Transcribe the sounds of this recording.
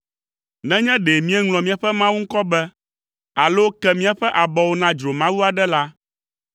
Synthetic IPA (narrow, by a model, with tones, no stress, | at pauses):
nɛ̃˦ɲɛ̃˦ɖe˨mĩ˦ɛ˦ŋlɔ̃˨mĩ˨a˨ɸɛ˦mã˦wu˦ŋ̩˦kɔ˦bɛ˦ | a˨lo˦kɛ˦mĩ˦a˨ɸɛ˦ʔa˨bɔ˨wo˦nã˦d͡ʒɾo˨mã˦wu˦a˨ɖɛ˦la˦